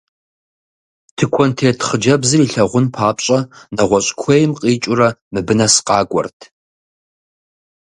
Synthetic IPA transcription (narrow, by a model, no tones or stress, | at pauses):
tʰɨkʷʰɔntʰeːtʰχəd͡ʒɐbzɨriːɬɐʁʷʊnpʰaːpɕʼɐnɐʁʷɔɕʼkʷʰejmqʼiːt͡ʃʼʊrɐmɨbɨnɐsqʼɑːɡʷʼɔ̰rtʰ